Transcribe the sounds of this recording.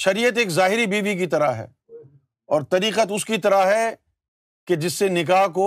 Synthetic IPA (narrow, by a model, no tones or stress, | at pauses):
ʃɐɾijət̪eːkzaːɦɪɾibiːʋik̬it̪ɐɾaɦɛ̰ː | ɔːɾt̪ɐɾiːqət̪ʊskit̪ɐɾaɦɛ | ked͡ʒɪsːenɪk̬aːɦk̬o